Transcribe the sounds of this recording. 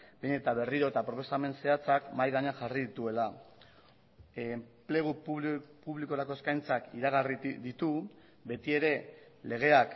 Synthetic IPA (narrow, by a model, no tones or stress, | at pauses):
beɲe̞t̪aβe̞riɾo̞et̪apɾo̞po̞same̞nse̞at͡sakmajɣaɲaxariðit̪ue̞la | mple̞ɣuppuβliko̞ɾako̞e̞skajnt͡sakiɾaɣariðit̪u | be̞t̪ie̞ɾe̞le̞ɣ̞e̞ak